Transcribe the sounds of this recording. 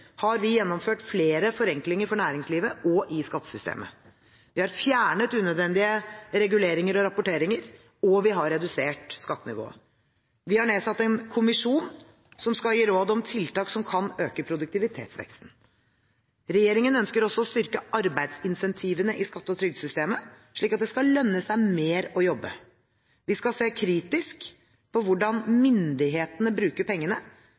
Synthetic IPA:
hɑɾʋɪjɛnːɔmføːʈfleːɾəfɔɾɛŋklɪŋəɾfɔɳæːɾɪŋsliːʋəɔʔɪskɑt̪ːə̥sʏst̪ʰḛːmʔə̰ | ʋɪhɑɾfjæːɳət̪ʉːnœd̪ʋɛnd̪ɪəɾɛɡʉleːɾɪŋəɾɔɾɑpʊʈeːɾɪŋəɾ | ɔʋɪɦɑɾːɛd̪ʉseːʈskɑt̪ːənɪ̰ʋo̰ːə̰ | ʋɪhɑɳeːsɑt̪ːɛnkʰʊmɪʂuːn | sɔmskɑljiːɾoːd̪ɔmt̪ʰɪlt̪ɑːksɔmkʰɑnøːkəpʰɾʊd̪ʉk̚t̪ɪʋɪt̪ʰḛːt̪sʋɛ̰kst̪n̩ | ɾɛjeːɾɪŋənœnskəɾɔsːɔɔst̪ʏɾkəʔɑɾbæɪd̪sɪnsɛnt̪ʰiːʋənəʔɪskɑt̪ːəɔt̪ʰɾʏɡd̪sʏst̪eːmə | ʂɭiːkːɑt̪d̪ɛskɑlœnːəsæɪmeːɾɔjɔbːə̰ | ʋɪskɑseːkʰɾiːt̪ɪsk | pʰɔʋʊɖɑnmʏnd̪ɪɦeːt̪ənəbɾʉːkəɾpʰɛŋːənə

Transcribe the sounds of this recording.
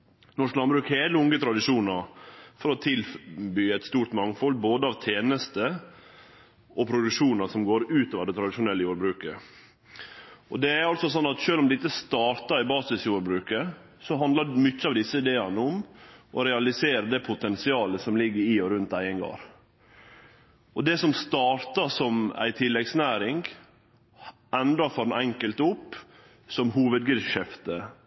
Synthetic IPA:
nɔʂklɑnbɾʉːkheːləʊŋət̪ʰɾɑd̪ɪʂuːnɑɾfɔɾɔt̪ʰɪlbyːɛt̪st̪uːɾʈ̪mɑŋːfɔlːboːd̪əɑʋt̪ʰeːnəst̪ə | ʔɔpʰɾʊd̪ʉkʂuːnɑsɔmɡoːɾʉːt̪oːʋd̪ɛt̪ʰɾɑd̪ɪʂʊnɛlːəjuːɾbɾʉːkə | ʔɔd̪ɛæɾɑlt̪sɔsɔnːɑt̪ʃøːlɔmd̪ɛɪt̪ːəst̪ɑːɾʈ̪ɑɾɪbɑːsɪsjuːɾbɾʉːkə | sɔɦɑnd̪ləmʏçːəɑʋd̪ɪsːəɪd̪eːɑnəʊmʔɔɾɛɑlɪseːɾəd̪ɛpʰʊt̪ʰɛnsɪɑːləsɔmlɪɡːəɾiːɔɾʉnt̪æɪəŋɡɑ̰ɾ | ɔd̪ɛsɔmst̪ɑːɾt̪ɑsɔmæ̰ɪt̪ʰɪlːɛɡsnæːɾɪŋɡ | ɛnd̪ɾɑfɔɾnɛŋkəlt̪ʊpː | sɔmhuːʋəd̪̚ɡɪʃɛft̪ə

